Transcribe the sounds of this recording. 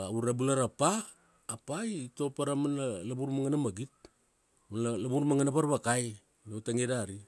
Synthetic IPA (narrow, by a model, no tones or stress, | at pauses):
uɾabulaɾapaː | paito̞paɾamanalabuɾmaŋanamaɡit̚ | manlabuɾmaŋanapaɾβakaj | nawtaŋedaɾi